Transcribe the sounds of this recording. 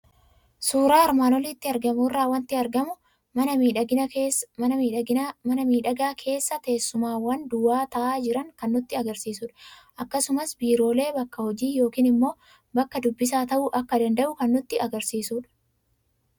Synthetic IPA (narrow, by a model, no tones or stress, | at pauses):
suːɾaːɐɾmaːnɔlɪt̪ːɪɐɾɡɐmuːrːaːwɐnt̪ɪɐɾɡɐmʊ | ɐ | ɐnɐmiːᶑɐɪmɐnɐmiːᶑɐɡaːkʰe̞ːsːɐt̪eːsːʊmaːwɐnd̪ʊwaːt̪ɐʔaːd͡ʒɪɾɐŋkɐnːʊt̪ːɪɐɡɐɾsiːsʊᶑɐ̥ʔɐkːɐsʊmɐsbiːɾo̞ːle̞ːbɐkːɐhɔd͡ʒiːjo̞ːkiːnɪmːo̞ː | bɐkːɐd̪ʊbːɪs̬aːt̪ɐʔʊʔɐkːɐd̪ɐnd̪ɐʔʊkɐnːʊt̪ːɪɐɡɐɾsiːsuːᶑɐ̥